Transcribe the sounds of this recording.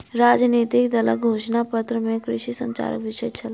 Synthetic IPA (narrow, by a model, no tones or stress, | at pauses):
ɾad͡ʒnit̪ikd̪ələ̰kɡʱoʃnapət̪ɾəmekɾɪ̰ʃisə̰ɲt͡ʃa̰ɾə̰kʋiʃəjt͡ʃʰəl